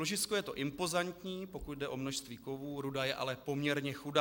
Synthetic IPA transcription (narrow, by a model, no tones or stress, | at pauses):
loʒɪt͡skojɛt̪o̞ʔɪmpo̞zant̪ɲiːpo̞kut̪dɛʔo̞mnoʃst̪viːko̞vuːɾudajɛʔa̰lɛpo̞mɲɛɾɲɛxudaː